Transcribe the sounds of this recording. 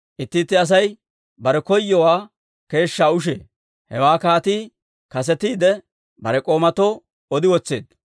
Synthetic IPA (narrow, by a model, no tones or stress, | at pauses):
ʔɪt̪ːɪt̪ːɪɐs̬ɐj | bɐɾɛkɔjːɔwaː | ke̞ːʃːaːʊʃ̬ḛː | hɛwaːkaːt̪iː | kɐs̬ɛt̪iːd̪ɛ | bɐɾɛkʼo̞ːmɐt̪oː | ɔd̪ɪwɔt͡sːe̞ːd̪